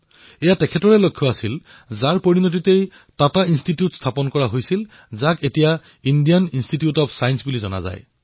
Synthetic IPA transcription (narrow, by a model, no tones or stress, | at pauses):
ɛjatɛkʰɛtɔɹɛlokʰːjɔasil | zaɹpoɹinot̬itej | tatainstitiutstʰapɔnkɔɹaɦojsil | zaketija | indijaninstitijutɔpsajnsbulizɔna̰za̰j